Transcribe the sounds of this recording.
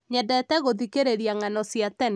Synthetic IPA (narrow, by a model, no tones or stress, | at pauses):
ɲɛdɛtɛɣoðikeɾeɾjaŋanɔsjatɛn